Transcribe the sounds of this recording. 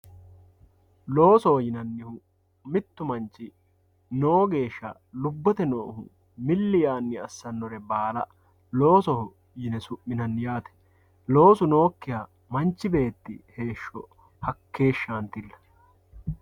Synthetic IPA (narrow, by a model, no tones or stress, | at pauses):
lo̞ːsɔhɔjɪnɐnːɪhʊ | mɪt̪ːʊmɐnt͡ʃːɪ | no̞ːɡe̞ːʃːɐ̰ | lʊbːɔt̪ɛnoːhʊ̰ | mɪlːɪjaːnːɪɐsːɐnːɔɾɛbaːlɐ | lo̞ːsɔhʊ | jɪnɛsʊʔːɪnɐnːjaːt̪ɛ̥ | lo̞ːsʊno̞ːkːɪja | mɐnt͡ʃːɪbe̞ːt̪ːɪ̰he̞ːʃːɔ̰ | hɐkːe̞ːʃːaːnt̪ɪlːɐ̥